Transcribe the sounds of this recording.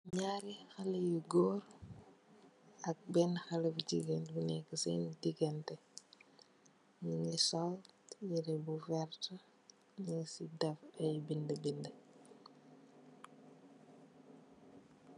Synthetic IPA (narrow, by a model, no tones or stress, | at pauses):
ɲaːɾixɐlɐjuɡɔːr | ɐk̚bɛnxɐlɐbuɟiɡɛnbunɛkəsɛ̰ndiɡɛntɛ | ɲuɲisɔljiɾɛbufɛrtə | ɲisidɐfɐjbindəbində